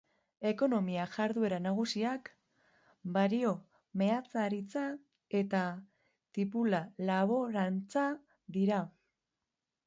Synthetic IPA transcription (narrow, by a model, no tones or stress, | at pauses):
e̞ko̞no̞miaʝaɾðue̞ɾanaɣ̞usiak | baɾio̞ | me̞at͡saɾit͡sa | e̞t̪a | t̪ipulalaβo̞ɾant͡sa | ðiɾa